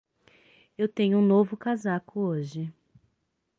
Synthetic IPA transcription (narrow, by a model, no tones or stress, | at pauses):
ewt̪ẽɲʊũnovʊkazakʊoʒɪ